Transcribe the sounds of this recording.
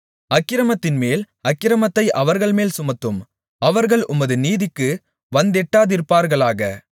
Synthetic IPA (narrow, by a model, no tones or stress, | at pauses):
ɐkːɪɾɐmɐt̪ːɪnmeːl | ɐkːɪɾɐmɐt̪ːɐɪʔɐʋɐɾɣɐɭmeːlsʊmɐt̪ːɯm | ɐʋɐɾɣɐɭʊmɐðɯniːðɪkːɯ | ʋɐnd̪ɛʈːaːðɪɾpaːɾɣɐɭaːɣɐ